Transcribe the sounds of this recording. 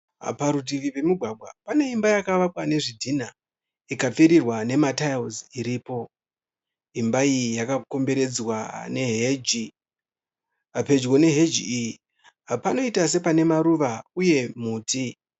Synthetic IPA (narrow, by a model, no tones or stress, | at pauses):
paɾut̬iʋipe̞muɡʱwaɡʱwa̰pane̞imbajakaʋakwane̞ʐidʱina | ikap͡fiɾirwane̞matajoziɾiːpo̞ | imbaijakako̞mbe̞ɾe̞d͡zwane̞ɦeːd͡ʒi | pe̞d͡ʒwo̞ne̞ɦe̞d͡ʒiiji | pano̞itas̬e̞pane̞maɾuʋauje̞muːti